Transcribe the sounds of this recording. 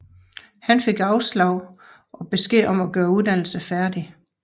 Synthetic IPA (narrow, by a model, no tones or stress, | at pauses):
hænfe̝ɡ̥ɑ̈ʊslɑ̈ʊ̰ | ʔɒ̽b̥e̝sɡ̥e̝̰ːʔɒ̽mæɡ̥ɶːɐuðˠd̥æn̰l̩səfæɐd̥i